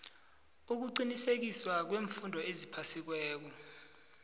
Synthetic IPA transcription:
uk̬uǃinisek̬iswak̬weːɱfundʱɔezipʰasik̬wɛːk̬ɔ

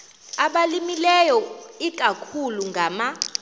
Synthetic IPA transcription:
aɓalimilɛjɔik̬ʼakʰuluŋɡʱama

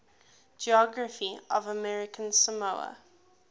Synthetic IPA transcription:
d͡ʒiɔɡɹəfiəvəmɛɹɪkʰə̃nsəmoʊə̰

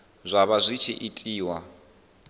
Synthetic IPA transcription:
zʷaβazʷit͡ʃʰiʔitʼiːwa

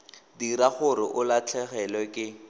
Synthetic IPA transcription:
diɾaχʊɾɪʔʊlat͡ɬʰɛχɛlwɛkʼɪ

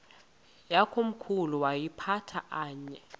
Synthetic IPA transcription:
jakʰom̩kʰuluwajipʰatʰaʔaːɲɛ

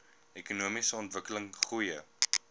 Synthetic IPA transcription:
ɛkunuəmisəɔntvəkələŋχujə

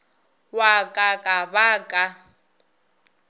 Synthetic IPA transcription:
wakʼakʼaβakʼa

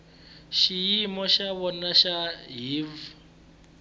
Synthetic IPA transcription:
ʃijimɔʃaβɔnaʃaɦiv

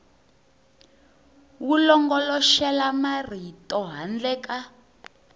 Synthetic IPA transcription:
wulɔŋɡɔlɔʃɛlamar̤itʼɔɦand͡ɮɛːka

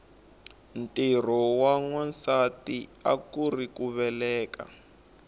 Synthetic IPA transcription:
ntir̤ɔwaŋwansatia̰kurikuβɛlɛːka̰

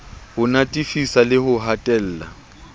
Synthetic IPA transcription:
hʊnatʼifisalɪhʊɦatʼɛl̩ːla̰

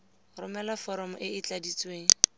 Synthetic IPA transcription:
rʊmɛlafɔɾɔmʊʔɪɪt͡ɬadit͡sʼweːŋ̩

